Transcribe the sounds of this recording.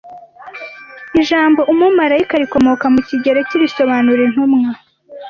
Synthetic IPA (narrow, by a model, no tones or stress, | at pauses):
iʒaːmbo̞ʔumumaɾaikaɾiko̞mo̞kamuciɟe̞ɾe̞ciβiso̞βanuɾen̥humŋa